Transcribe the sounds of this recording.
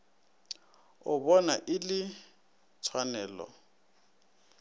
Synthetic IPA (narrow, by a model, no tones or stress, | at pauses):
ʊbɔnaʔɪlɪ | t͡sʰwanɛːlɔ̰